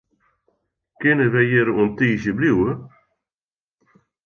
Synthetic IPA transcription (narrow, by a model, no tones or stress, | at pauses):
kɪnəʋɛjɪɾəuəntiːsjəbliwə